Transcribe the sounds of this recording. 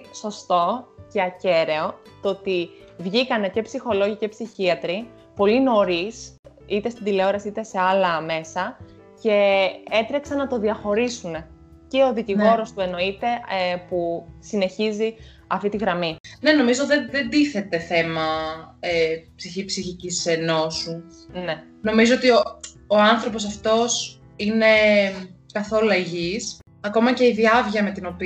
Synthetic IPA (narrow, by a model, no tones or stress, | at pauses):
so̞st̪o̞ce̞ɐce̞ɾe̞o̞t̪oot̪ivʝikɐne̞ce̞psixo̞lo̞ʝice̞psiçiɐt̪ɾi | po̞lino̞ɾis | it̪e̞st̪id̪ile̞o̞ɾɐsiit̪e̞se̞ɐlɐme̞sɐ | ce̞e̞t̪ɾeksɐnːɐt̪o̞ðiɐxo̞ɾisune̞ | ceo̞ðiciɣo̞ɾo̞st̪ue̞no̞it̪e̞pusine̞çizi | ɐft̪it̪iɣɾɐmine̞no̞mizot̪eðend̪iθe̞t̪e̞θe̞mɐepsiçipsiçiciseno̞su | ne̞ | no̞mizoot̪io | oɐnθɾo̞p̬o̞s̬ɐft̪o̞s | ine̞ | kɐθo̞lueʝis | ɐko̞mɐce̞iðiɐvʝɐme̞t̪ino̞pi